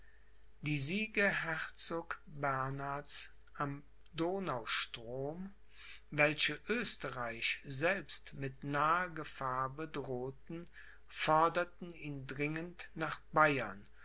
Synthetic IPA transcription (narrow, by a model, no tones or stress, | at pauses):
d̥iːziːɡɐɦɛʁt͡soːkbɛɐnatt͡s | ʔam | doːnaʊʃtʁ̥oːm | vɛlʃəʔøːstəʁaɪʃzɛlpstmɪtnaːəɡəfaːɐbədʁoːtn̩ | fɔɐdɐtn̩iːndʁɪŋəntnaːχb̥aɪɐn